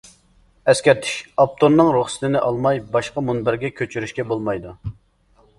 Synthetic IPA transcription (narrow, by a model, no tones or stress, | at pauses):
ɛskʲɛɾt̪ʰi̥ʃɑp̚t̪ʰonːɨŋɾuχsɨ̥t̪ɪnɪʔɑlˠmɑjbɑʃqɑmunbɪɾɡʲɛkʲʰøt͡ʃʰyɾyʃkʲɛbolˠmɑjd̪u